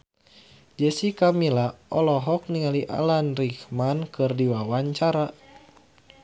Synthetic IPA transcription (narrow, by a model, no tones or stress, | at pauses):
d͡ʒɛsikamilaɔlɔɦɔk̚niŋaliʔa̰lanrikmankɨrdiwawaɲt͡ʃaɾa